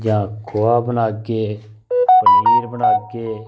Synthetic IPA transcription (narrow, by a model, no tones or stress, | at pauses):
jãːkʰoːaːbənaːɡeː | pəniːɾbənaːɡeː